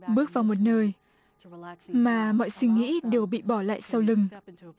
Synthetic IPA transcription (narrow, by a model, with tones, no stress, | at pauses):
ɓɨ˦˥ək̚vaː˨˩wmo˨˩t̚nəː˧j | maː˨˩mɔ̰˧˨jswi˧ŋḭ˧˥ɗe˨˩wɓḭ˧˨ɓɔ˧˩la̰ː˧˨jsa˧wlɨ˨˩ŋ